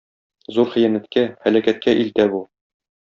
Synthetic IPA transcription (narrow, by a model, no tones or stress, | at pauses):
zuɾχĭjænæt̪kæhælækæt̪̚kæʔilt̪æbu